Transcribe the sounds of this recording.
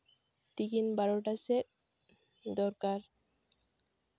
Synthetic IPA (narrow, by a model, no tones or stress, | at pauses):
t̪ikinbaɾoʈasek̚ | d̪ɔɾkaɾ